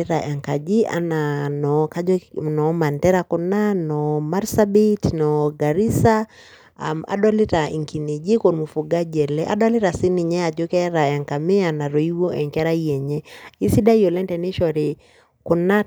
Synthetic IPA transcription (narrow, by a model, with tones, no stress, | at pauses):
iɾa˨ʔɛ˨ŋka˨d͡ʒi˦a̰˨na˨nɔ˨ka˦nɔ˨ma˨ntɛ˦ɾa˨ku˨na˦nɔ˨ma˦ɾsa˦bi˦tnɔɡa˨ɾi˦sa˨ | ma̰˨ɗɔ˦li˦ta˨ḭ˨ŋki˨ne˨d͡ʒi˦ko˨nmu˨fu˨ɡa˦d͡ʒɛ˨lɛ˦ʔa̰˦ɗa˦li˦ɾa˨si˦ni˨ɲɛ˦a˨d͡ʒo˦kɛ˦ɾa˨ɛ˨ŋka˨me˦a˨na˨ɾo˨i˦wo˦ʔɛ˨ŋkɛ˦ɾa˦iɛ˨ɲɛ˦i˦si˦da˦ijo˨lɛ˦ntɛ˨ni˦ʃɔ˨ɾi˨ | ku˨na˦